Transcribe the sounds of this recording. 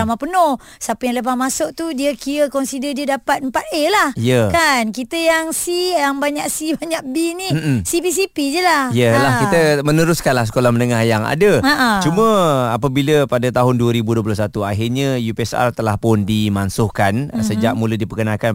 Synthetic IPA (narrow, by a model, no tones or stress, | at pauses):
amapənɔh | sapəjaŋləp̬ahmasʊʔ̚t̪udiəkiəkɔnsidədiədapat̪̚əmpat̪̚əlahjəkankit̪əjaŋsijaŋbaɲaʔsibaɲaʔbinisipis̬ipid͡ʒəlahjəlakit̪əmənəɾʊskanlahsə̥kolahmənəŋahjaŋa̰dəaʔət͡ʃumə̃apəbiləpadat̪aɦʊnduəɾibuduəp̬lasat̪uaɦɪrɲajupɛsa̰rt̪əlahpʊndimansʊhkansəd͡ʒaʔ̚mulədipəkənakan